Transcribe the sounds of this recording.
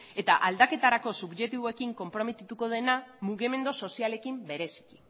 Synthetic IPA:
e̞t̪aʔald̪ake̞t̪aɾako̞suɡʝe̞t̪iβoe̞kiŋko̞mpɾo̞met̪it̪uko̞ð̞e̞namuɣime̞nd̪oso̞siale̞kimbe̞ɾe̞si̥ki̥

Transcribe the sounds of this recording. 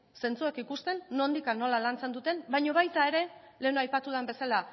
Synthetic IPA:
se̞nt͡suekikust̪e̞nːo̞nd̪ikanːo̞lalant͡se̞nd̪ut̪e̞nbajɲo̞β̞ajt̪ae̞ɾe̞ | le̞noajpat̪uðambe̞sala

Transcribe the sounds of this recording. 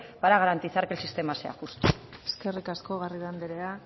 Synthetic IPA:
paɾaɣaɾant̪isaɾkelsist̪e̞mase̞a̰xust̪ueske̞rikasko̞ɣ̞ariðand̪eɾe̞a

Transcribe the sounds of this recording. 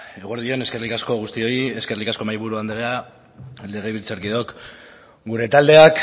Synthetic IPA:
eɣ̞oɾðio̞ne̞ske̞rlikasko̞ɣust̪io̞ieske̞rlikasko̞majβuɾuand̪ela | le̞ɣ̞eβilt͡soɾkiðo̞k | ɡuɾe̞t̪ald̪e̞ak

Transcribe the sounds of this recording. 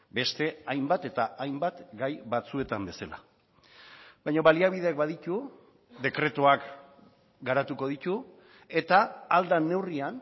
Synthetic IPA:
be̞st̪e̞ajmbat̪e̞t̪aajmbat̪ɡajβat͡sue̞t̪ambe̞sala̰ | bajɲoβaliaβ̞iðeakbaðit̪u | d̪e̞kɾe̞t̪uak | ɡaɾat̪uko̞ð̞it̪u | e̞t̪aːld̪ane̞wrian

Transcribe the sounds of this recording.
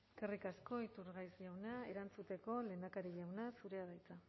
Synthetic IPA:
kerikasko̞it̪uɾɣajsʝawnae̞ɾant͡sut̪e̞ko̞le̞ːnd̪akaɾiʎawnasuɾe̞að̞ajt͡s̪a

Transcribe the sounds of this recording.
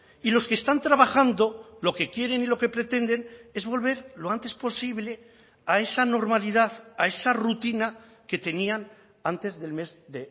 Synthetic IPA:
ilo̞skeːst̪ant̪ɾaβaxand̪o̞lo̞ke̞kje̞ɾe̞nilo̞ke̞pɾe̞t̪e̞nd̪e̞ne̞zβo̞lβ̞e̞ɾlo̞ant̪e̞spo̞siβ̞le̞ | ae̞sano̞ɾmalið̞aθae̞sarut̪ina | ke̞t̪e̞nian | ant̪e̞zðe̞lme̞zðe

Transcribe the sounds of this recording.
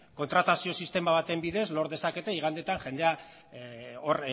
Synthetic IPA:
ko̞nt̪ɾat̪asio̞sist̪e̞maβ̞at̪e̞mbiðe̞zlo̞ɾðe̞sake̞t̪e̞iɣ̞and̪et̪aŋʝe̞nd̪e̞a | oɾ

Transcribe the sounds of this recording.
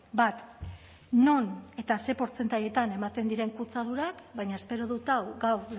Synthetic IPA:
bat̪ | no̞ne̞t̪ase̞po̞ɾt͡se̞nt̪aʎe̞t̪ane̞mat̪e̞nd̪iɾe̞ŋkut͡sað̞uɾakbajɲae̞spe̞ɾo̞ðut̪awɡaw

